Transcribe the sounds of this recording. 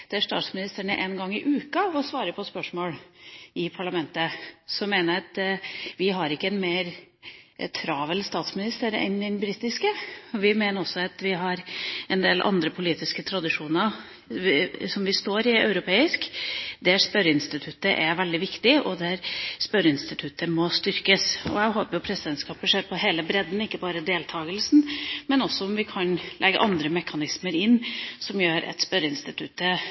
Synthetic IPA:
d̪̥ɛæʂt̪ɑ̰ːt̪smɪnɪst̪əɳə̰ʔɛnɡɑŋːɪʔʉːkɑɔsʋɑːɾəpʰɔspœʂmoːlɪpʰɑɭɑmɛnt̪əsɔmːeːnəɾɑt̪ʋɪɦɑɾɪkːəɛnmeːɾ | t̪ʰɾɑːʋəlst̪ɑːt̪smɪnɪst̪əɾɛ̰nɛnbɾiːt̪ɪskəɔʋɪmeːnəɾɔsːɔɑt̪ʋɪɦɑɾɛnd̪eːlʔɑ̰nd̪ɾəpʰʊliːt̪ɪskət̪ʰɾɑd̪ɪʂuːnəɾ | sɔmʋɪst̪oːɾɪœ̰ʉɾʊpʰeːɪskd̪æspœɾəɪnst̪ɪt̪ʰʉt̪ːəʔæɾʋɛld̪ɪʋɪkt̪ɪʔɔd̪æɾspœɾəɪnst̪ɪt̪ʰʉt̪əmɔst̪ʏɾkəsɔ̰æɪɦoːpəjʊpʰɾɛsəd̪ɛnt̪skɑːpəʂeːɾpʰɔɦeːləbɾɛd̪n̩ɪkːəbɑːɾəd̪eːlt̪ʰɑːɡəlsn̩mɛnɔsːɔɔmʋɪkʰɑnlʔɛɡːə̰ʔɑnd̪ɾəmɛkʰɑnɪsməɾɪnːsɔmjøːɾɛ̰t̪spœɾəɪnst̪ɪt̪ʰʉt̪ːə

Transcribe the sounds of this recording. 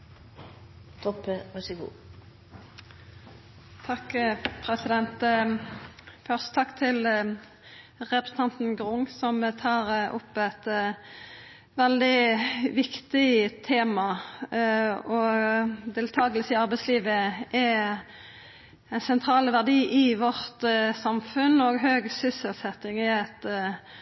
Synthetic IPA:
t̪ʰɔpːəʁɛsɪkṵː | t̪ʰɑkːpʰɾɛsɪd̪ɛnt̪ | fœʁst̪ət̪ʰɑkːt̪ʰɪl | ʁɛpɾə̥sən̩t̪ʰɑnt̪n̩ɡʁʊŋsɔmt̪ʰɑːʁʊ̰pːæɪt̪ | ʋɛld̪ɪʋɪkt̪ɪt̪ʰeːmɑ | ɔd̪eːlt̪ʰɑːɡəlsəɪɑʁbɛɪsliːʋəʔɛ | ɛnsɛnt̪ʰʁɑːləʋæʁd̪iːʔɪʋɔʁt̪sɑmfʉnɔɡɦøːɡsʏsəlsɛt̪ːɪŋɪɛt̪

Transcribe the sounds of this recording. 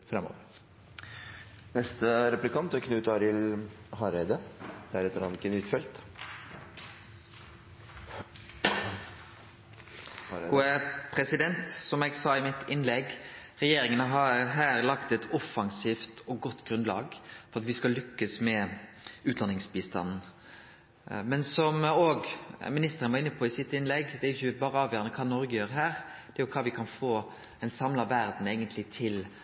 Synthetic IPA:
fɾɛmːo̰ːʋəɾ | nɛst̪əɾɛplɪkʰɑnt̪ɛkʰnʉːt̪ɑɾɪlhɑɾɛɪd̪əd̪̥ɛæɾɛt̪ːəɾɑnt̪ɪkːənʏt̪fɛlt̪ | ɡuəpʰɾɛsɪd̪ɛnt̪sɔmɛːɡsɑːɪmɪt̪ɪnlɛɡʁɛjeːɾɪŋənəɦɑɾɦæːɾlɑkt̪ɛt̪ʰɔfɑŋsiːft̪ɔɡɔt̪ːɡ̥ɾʉnd̪lɑ̰ːɡfɔɾɑt̪ʋɪskɑlʏkːəsmɛʉːt̪d̪ɑnɪŋsbiːst̪ɑ̰nn̩ | mɛnsɔmoːɡmɪnɪst̪əɾənʋɑʁɪnːəpʰɔɪsɪt̪ːɪnlɛɡd̪ɛæɾjʏçːəbɑːɾəɑːʋjøːɾɑnəkʰɑːnɔɾɡəjøːɾəɦæːɾd̪̥ɛæɾjʊkʰɑːʋɪkʰɑnfoː | ɛnsɑmlɑʋæɾd̪n̩eɪɡənt̪ʰlɪt̪ʰɪl

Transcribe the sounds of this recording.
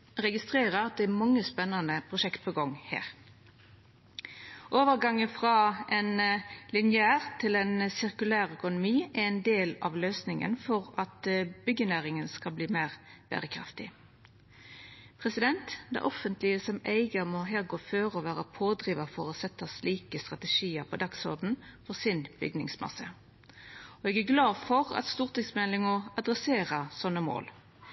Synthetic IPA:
ʁɛɡɪst̪ʁeːʁəɾɑt̪̚d̪ɛæmɑŋːəspɛnːɑnəpʰʁʊʃɛkt̪̚pʰoːɡɔŋhæ̰ːʁ | ʔoːʋəʁɡɑŋːəfʁɑɛnlɪnɪæːʁt̪ʰɪlɛnsɪʁkʉlæːʁœkʊnʊmiːʔæɛɪnd̪eːlɑ̰ʋløːsnɪŋə̰nfɔʁɑt̪b̥ʏɡənæːʁɪŋənskɑlbliːmæːʁb̥æ̰ːʁəkʰʁɑ̰ft̪ɪ̰ | pʰʁɛsɪd̪ɛnt̪d̪ɛ̰ʔɔfənt̪lɪəsɔmæɪɡəmɔɦæːʁɡoːføːɾɔʋæːʁəpʰoːd̪ɾiːʋɑfɔʁɔsɛt̪ːəsliːkəst̪ʁɑt̪ɛʂiːəɾpʰɔd̪ɑksɔ̰ʁd̪n̩fɔsɪnb̥ʏ̰ɡnɪ̰ŋsmɑ̰sə | ɔɛɡæɡlɑːfɔʁɑ̰t̪st̪uːʁt̪ɪŋsmɛlɪŋɔɑd̪ʁɛseːʁəsɔnːəmo̰ːl

